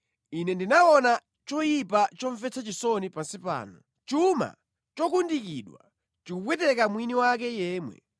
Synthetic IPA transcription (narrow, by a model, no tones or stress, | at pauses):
inɛndinaɔna | t͡ʃɔjipat͡ʃɔɱvɛt͡sʰat͡ʃisɔnipasipa̰ːnɔ | t͡ʃuma̰ | t͡ʃɔkundikiɗwa̰ | t͡ʃikuɓwɛtɛkamwiniwak̬ɛjɛːmwɛ̰